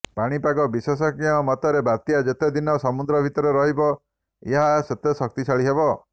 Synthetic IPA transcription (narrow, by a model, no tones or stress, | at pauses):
paɽ̃ipakɔbisɔsɔkiɔmɔt̪ɔɾebaɾt̪ijad͡ʒet̪ed̪inɔsɔmud̪ɾɔbʱit̪ɔɾeɾɔɦibɔ | eɦaset̪esɔk̚t̪isʰaɭiɦebɔ